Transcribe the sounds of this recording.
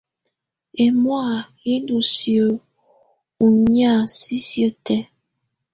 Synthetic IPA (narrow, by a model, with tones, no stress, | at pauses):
e˨mwa˦˨ | i˦ndu˨sjo˨ | u˨ɲja˦˨si˦sjə˦˨tɛ˦